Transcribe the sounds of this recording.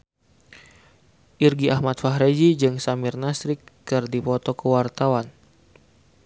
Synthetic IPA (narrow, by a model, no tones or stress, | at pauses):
ʔirɡiʔahmat̪̚faɦɾed͡ʒid͡ʒɨŋsamirnasɾikːɨrdipɔt̪ɔkəwart̪awan